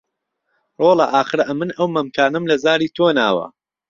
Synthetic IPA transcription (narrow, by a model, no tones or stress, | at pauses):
roːlˠɐʔaːxɨɾɐʔɐmɨnɐwmɐmkʰaːnɨmlɐzaːɾiːt̪ʰoːnaːwɐ̰